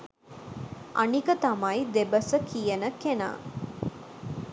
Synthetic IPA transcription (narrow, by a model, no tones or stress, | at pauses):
ʔanikət̪amajd̪ebəsəkijənəkena̰ː